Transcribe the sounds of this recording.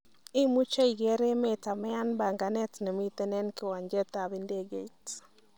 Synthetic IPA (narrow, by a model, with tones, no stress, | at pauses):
ɪ˦mu˦t͡ʃa˦i˨ɡɛ˨˦ɾe˦me˨ta˨mɛ˦a˦nba˨ŋɡa˨nɛ˦tnɛ˨mi˦t̪ɛ˦nɛ˦nkɪ˦˨wa˨ɲd͡ʒɛ˦t̪a˨be˦nde˦ɡe˨t